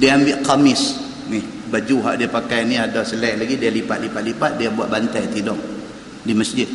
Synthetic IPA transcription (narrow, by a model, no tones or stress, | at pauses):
diaambɪʔkamɪs | nɪh | bad͡ʒuɦa̰ʔdiapakajniadasəlɛʔlaɡidialipat̪̚lipat̪lipat̪̚diabuat̪̚bant̪ajt̪idɔŋ | diməsd͡ʒɪt̪̚